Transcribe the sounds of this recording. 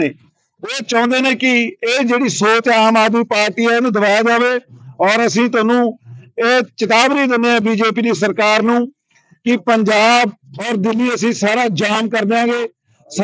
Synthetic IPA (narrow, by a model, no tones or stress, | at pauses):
eː | oːt͡ʃɔ̃ːnd̪eːnẽːkɪeːd͡ʒeːɽiːsoːt͡ʃaːmaːd̪miːpaːɾʈiːɛːnũːd̪əbaːjaːd͡ʒaːʋeːɔːɾəsĩːt̪̬ʊaːnũːeːt͡ʃɪt̪aːbniːd̪ɪnːeːɛ̃ːbiːd͡ʒeːp̬iːd̪iːs̬əɾkaːɾnũː | kɪpəɲd͡ʒaːbɔːɾd̪ɪlːiːəsĩːsaːɾaːd͡ʒaːmkəɾd̪eãːɡeː | s